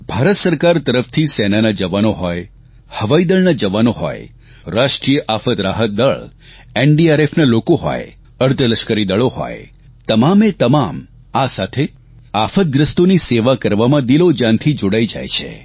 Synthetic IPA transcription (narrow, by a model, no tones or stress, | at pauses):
bʱaɾət̪səɾkaɾt̪əɾəft̪ʰisɛnanad͡ʒəʋanoɦɔj | həʋaid̪əɭnad͡ʒəʋanoɦɔ̰j | ɾaʃʈɾijəʔafət̪ɾaɦət̪̚d̪əɭ | eɳɖiaɾefnalokoɦɔ̰j | əɾt̪ələʃkəɾid̪əɭoɦɔ̰j | t̪əmamet̪əmam | asat̪ʰe | afət̪̚ɡ̪ɾəst̪oniseʋakəɾʋamãd̪ilod͡ʒãnt̪ʰid͡ʒoɽaid͡ʒa̰jt͡ʃʰḛ